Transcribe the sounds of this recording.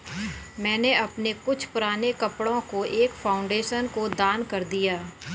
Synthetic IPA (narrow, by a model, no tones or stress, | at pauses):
mɛ̃ːneɐpnekʊt͡ʃʰpʊɾaːnekɐpɽõkoeːkfʰaːʊ̃ɳɖeːʃənkod̪aːnkɐɾd̪ijaː